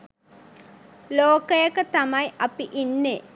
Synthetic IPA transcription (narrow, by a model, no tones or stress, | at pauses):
loːkɐjɐkːɐt̪ɐmɐjʔɐpiʔinːe